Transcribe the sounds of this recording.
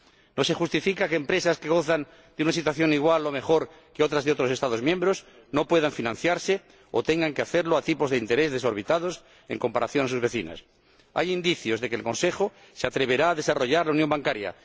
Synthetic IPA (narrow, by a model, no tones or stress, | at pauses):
nose̞xust̪ifikakeːmpɾe̞saskeɣo̞θan | d̪eunas̬it̪waθjo̞niɣ̞walːo̞me̞xo̞ɾ | keo̞t̪ɾazðeo̞t̪ɾo̞se̞st̪aðo̞zmjembɾos | no̞pwe̞ð̞aɱfinãnθjaɾse | ot̪e̞ŋɡaŋkeaθeɾloat̪ipo̞zðeint̪e̞ɾe̞zðe̞so̞ɾβ̞it̪að̞os | e̞̰ŋko̞mpaɾaθjo̞nas̬uzβe̞θina̰s | a̰jind̪iθjo̞zðe̞kelkõ̞nse̞xo | seat̪ɾe̞β̞e̞ɾaːðe̞saro̞ʝaɾlaunjo̞mbaŋkaɾja̰